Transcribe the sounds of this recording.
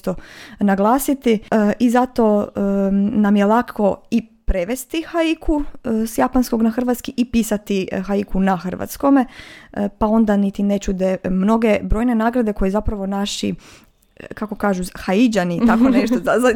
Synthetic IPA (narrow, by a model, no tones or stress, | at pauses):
t̪onaɡlˠaːsit̪iʔizat̪o̞ː | namjelˠakʰo̞ipɾeʋest̪ixaikʰusjapansko̞ɡnaxr̩ʋat̪skiʔipiːsat̪ixaikʰunaxr̩ʋa̰t̪sko̞mepao̞nd̪anit̪ine̞t͡ʃud̪emno̞ɡe̞bɾojne̞naːɡɾad̪e̞ko̞jezapɾaʋo̞naʃḭ | kako̞kaːʒuxaid͡ʒanit̪akoneʃt̪ozaza